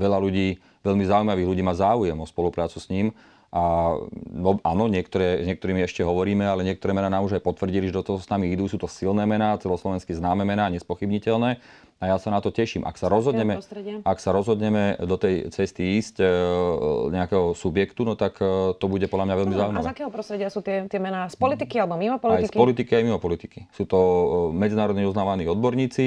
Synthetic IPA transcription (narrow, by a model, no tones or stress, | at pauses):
ʋɛʎaluɟiː | ʋɛʎmizaumaʋiːɣluɟiːmaːzaːujɛmɔspɔlupɾaːt͡susɲiːm | ʔa | ɔaːnɔɲɪɛkt̪ɔɾɛːzɲɪɛkt̪ɔɾiːmiɛʃcɛɦɔʋɔɾiːmɛalɛɲɪɛk̚t̪ɔɾɛːmɛnaːnaːmuʒajpɔt̪ʋrɟiliʒɛd̪ɔt̪ɔɦɔsnamiid̪usuːt̪ɔsilnɛːmɛnaːt͡sɛlɔslɔʋɛnskiznaːmɛmɛnaːɲɛspɔxibɲicɛlnɛː | ajasanat̪ɔcɛʃiːmʔa̰ksaɾɔzɦɔd̪ɲɛmɛst̪ɾɛɪaaksaɾɔzɦɔd̪ɲɛmɛd̪ɔt̪ɛjt͡sɛst̪iiːsc | ɲɛakɛːɦɔsubjɛkt̪unɔt̪akt̪ɔbuɟɛpɔd̪lʎamɲaʋɛʎmizauimaʋɛakɛːɦɔpɾɔst̪ɾɛɟɪasuːt̪ɪɛt̪ɪɛmɛnaːspɔlit̪ikialɛbɔmimɔpɔliajspɔlit̪ikiajmimɔpɔlit̪i̥kisuːt̪ɔmɛd͡zinaːɾɔd̪ɲɛɔznaːʋaniːɔd̪bɔɾɲiːt͡si